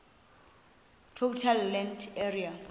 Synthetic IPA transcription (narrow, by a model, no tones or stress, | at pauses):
tʰotʰalːɛnderia